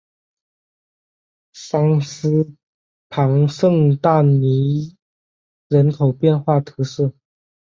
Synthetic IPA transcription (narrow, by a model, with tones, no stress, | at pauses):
sɑ˥ŋsɹ̩˥ | pʰɑ˧˥ŋʂɤ˥˧ŋt̪a˥˩ni˧˥ | ɻə˧˥nkʰo˨˩ʊpjɛ˥˧nxwa˥˩t̪ʰɤ˧˥sɤ˥˩